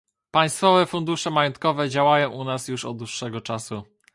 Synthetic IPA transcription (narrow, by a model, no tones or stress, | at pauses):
paj̃st̪fɔvɛfund̪uʂɛmajɔnt̪̚kɔvɛd͡ʑawajɔ̃w̃ʔunasjuʂɔ̰d̪d̪wuʂːɛɡɔt͡ʂasu